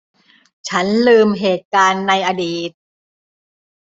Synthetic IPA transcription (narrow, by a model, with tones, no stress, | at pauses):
t͡ɕʰa˦˥nlɯː˧mɦeː˨˩t̪̚kaː˧nːa˧jʔaː˧diː˨˩t̪̚